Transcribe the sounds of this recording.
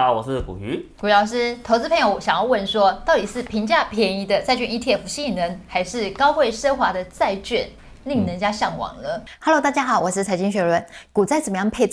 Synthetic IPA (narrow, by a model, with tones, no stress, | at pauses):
wɔ˨˩ʂɻ̩˥˩kṵ˨˩y˧˥ku˨˩˥ɑ˧˥ʊʂ̬ɻ̩˥t̪ʰo˧˥t͡sɹ̩˥pʰə˧˥ŋjo˧ʊʊ˧˩ɕɑ˨˩ŋjɑ˥˧ʊwə˥˩nʂwɔ˥t̪ɑ˥˩ʊt̪i˨˩ʂɻ̩˥˩pʰi˧˥ŋt͡ɕja˥˩pʰjɛ˧˥ni˧˥d̪ə˧t͡sa˥˧ɪt͡ɕɥɛ˥˧ni˥˧t̪ʰjɛ˥˩fu˧˥ɕi˥˧˨nə˧˥ŋxa˧˥ɪʂɻ̩˥˩kɑ˥ʊxwe˥˩ɪʂə˥xwa˧˥d̪ə˧t͡sa˥˧ɪt͡ɕɥɛ˥˩n | li˥˩ŋnə˧˦nt͡ɕja˥ɕjɑ˥˩ŋwɑ̰˨˩ŋlə˦ha˧˥lo˧˥ʊt̪a˥˩t͡ɕja˥xɑ˨˦ʊwɔ˨˩ʂɻ̩˥˩t͡sʰa˧˥ɪt͡ɕi˥ŋɕɥɛ˧˥lwə˥˩nku˨˩t͡sa˥˩ɪt͡sə˨˩mə˦jɑ˥˩ŋpʰe˥˧ɪt͡s